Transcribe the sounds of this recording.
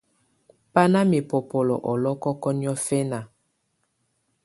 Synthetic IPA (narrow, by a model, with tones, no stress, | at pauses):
pa˦na˦mi˨po˨po˨lɔ̰˨ʔɔ˨lɔ˦kɔ˦kɔ˦ni˦ɔ˦fɛ˦na˨